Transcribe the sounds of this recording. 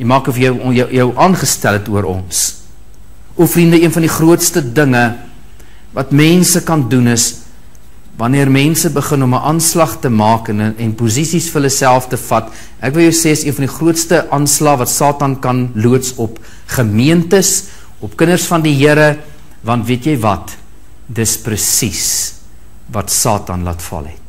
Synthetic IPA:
jəmɑːkɔfjəwjəjəwʔɑːnχəstælˠətuəɾɔ̰ns | ɔfrindəiənfɑɐndiχruətstədəŋə | vɐtmɛnsəkɐndunəs | vɐniərmɛnsəbəχənɔməʔɑnslɐχtəmɑːkənɛnpuzisisfəɦələsælˠftəfɐt | ʔækvəlˠjəwseːəsiənfɐndiχruətstəʔɑnslɑːvɐtsɑːtɐnkɐnluətsɔp | χəmiəntəs | ɔpkənərsfɐndiɦiəɾə | vɐntviətjəjvɐt | dəsprəsis | vɐtsɑːtɐ̰nlɐ̰tfɐ̰lˠɦɛ̰t̚

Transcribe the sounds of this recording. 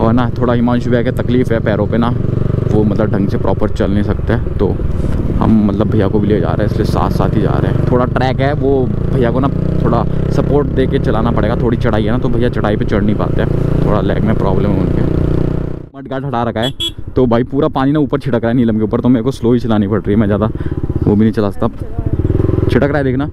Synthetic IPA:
ɔːɾnat̪ʰoːɽaɦɪmãːnʃʊbɛket̪ɐkliːfɦɛpɛːɾõpenaʋomɐt̪ləb̚ɖʱɐ̃ŋɡsepɾʔɔ̰ːpəɾt͡ʃɐlnesɐk̚t̪eɦɛːt̪o̰ːɦɐ̰mːɐt̪ləbʱɐijakobʱilied͡ʒa̰ːɾeɛ̃ɪsliesa̰ːt̪saːt̪ɦid͡ʒa̰ːɾḛɦɛ̃ːt̪ʰoːɽaʈɾɛːkɦɛʋo | bʱɐijakona | t̪ʰoːɽasɐpoːɾʈd̪eːket͡ʃɐlaːnapɐɽeːɡat̪ʰoːɽit͡ʃɐɽ̤aːiɦɛnat̪obʱɐijat͡ʃɐɽaːipet͡ʃɐɽnĩpa̰ːt̪eɦɛːt̪ʰo̰ːɽalɛ̰ːɡmɛ̃pɾɔ̰ːbləmɦʊnkeɛ̰ | mɐʈ̚ɡaʈʰɐʈaɾɐkʰaɦɛt̪obʱaːipuːɾapaːninauːpəɾt͡ʃʰɪʈəkɾaːɛniləmkeuːpəɾt̪omeːkosloːit͡ʃɐlaːnipɐɽɾiːɛmɛ̃d͡ʒaːd̪aʋoːbʱinɐ̃ĩt͡ʃɐlaːsk̚t̪ːa | t͡ʃʰɪʈəkɾaːed̪eːkʰnaː

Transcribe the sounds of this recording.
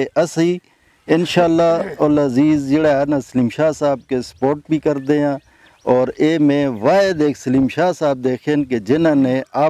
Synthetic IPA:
eʔɐsiː | ɪnʃaːlːaːoləziːzd͡ʒeːɽaɦɛːnasəliːmʃaːsaːb̚kesə̥poːʈ̚bʱiːkəɾd̪eːɦãː | ɔːɾeːmẽːʋaːed̪eːkʰsəliːmʃaːsaːb̚d̪eːkʰeːnked͡ʒɪnãːnẽaː

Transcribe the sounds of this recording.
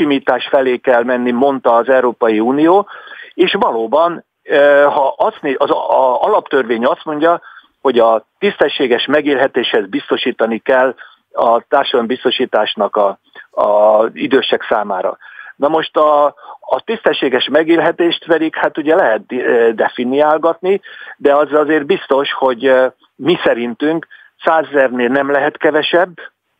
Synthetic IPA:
imiːt̪aːʃfɛleːkɛlmɛnːimo̞nt̪ɒːzɛuɾoːpɒjiuːnijoːeːʃʋɒloːbɒn | hɒʔɒst̪neɒzɒlɒpt̪ørʋeːɲɒst̪mo̞ɲɟɒ | ho̞ɟɒt̪ist̪ɛʃːeːɡɛʃmɛɡiːlɦɛt̪eːʃhɛzbist̪o̞ʃiːt̪ɒnikɛlː | ɒt̪aːrʃɒd̪ɒmbist̪o̞ʃiːt̪aːʃnɒkɒ | ɒid̪øːʃɛksaːmaːɾɒ̰nɒmo̞ʃt̪ɒː | t̪ist̪ɛʃːeːɡɛʃmɛɡiːlɦɛt̪eːʃt̪ʋɛd̪ikhat̪uɟɛlɛɦɛt̪̚d̪ɛfiniaːlɡɒt̪nid̪ɛɒzɒzeːrbist̪o̞ʃho̞ɟ | misɛɾint̪yŋk | saːzɛzɛrneːlnɛmlɛɦɛt̪kɛvɛʃɛbː

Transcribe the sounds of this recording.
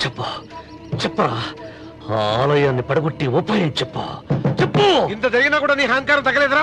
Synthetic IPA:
t͡ʃɛpːa | t͡ʃɛpːɐaː | aaːlɐjaːnːipɐɽɐɡoʈːiʋɔpːaːjɐnt͡ʃɛpːa̰t͡ʃepːuint̪̬ɐd͡ʒɐɾiɡinaːkuːɽaːniːɦaːŋkaːɾɐmt̪ɐɡɐlɛːd̪ɐɾaː

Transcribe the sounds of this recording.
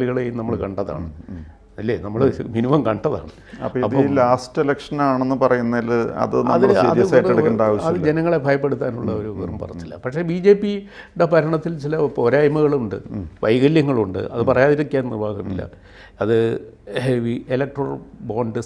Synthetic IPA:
ɭiɣɐɭejunɐmːɐɭkɐɳɖɐða̰ːɳɨ | ɐlːeːnɐmːɐɭminiʋɐmkɐɳɖɐða̰ːɳɨ | ɐppːoiɐpːɐlaːstelɐkʂɐnaːɳenːɨpɐrɐjunːɐlɐ̰ðɨnɐmðːɐɭɐɐ̰ðijɐsɐjrɐɽkːeɳɖaːʋɐɐðɨd͡ʑenɐŋːɐɭebʱɐjɐpːe̞ɽut̪ːaːnuɭːɐo̞ɾuʋɐrumpɐ̰rɐt̪ːilːɐ̰pɐkʂe̞bid͡ʑe̞ːpːi | ɽepɐɾɐɳɐt̪ːilt͡ɕilɐpoɾaːjmɐɣɐɭuɳɖɨ̰ʋɐjɣɐljɐŋːɐɭuɳɖɨ̰ɐðɨpɐrɐjaːðiɾikʲːjaːnnḭrbʱaːɣɐmḭlːɐ̰ | ɐðɨ | ʋielek̚ʈro̰boːɳɖɨ

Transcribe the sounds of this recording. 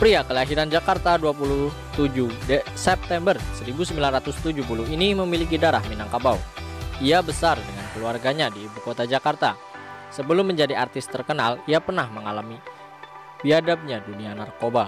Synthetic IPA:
pɾiakəlaɦiɾand͡ʒakart̪aduapulu | t̪ud͡ʒudəsɛp̚t̪ɛmbərsəɾibusəmbilanrat̪ʊst̪ud͡ʒuhpulʊɦiniməmilikidaɾahminaŋkabauiabəsardəŋankəluarɡaɲadiːbukot̪ad͡ʒakart̪a | səbəlʊmːəɲd͡ʒadiart̪ɪst̪ərkənaliapərnahməŋalami | biadap̚ɲadunianarkoba

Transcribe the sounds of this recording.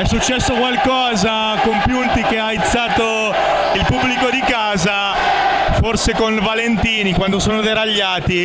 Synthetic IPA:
ɛsːut͡ʃːɛsːokwalkɔːza | kompjunt̪ikeait̪sːaːt̪o | ilpubːlikod̪ikaːza | forsekonvalent̪iːnikwand̪osoːnod̪eɾaʎːaːt̪i

